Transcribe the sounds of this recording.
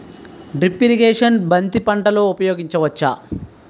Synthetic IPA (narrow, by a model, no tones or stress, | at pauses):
ɖɾipːiɾiɡeːʂɐnbɐnt̪ipɐɳʈɐloːupɐjo̞ːɡiɲt͡ʃɐʋɐt͡ʃːa̰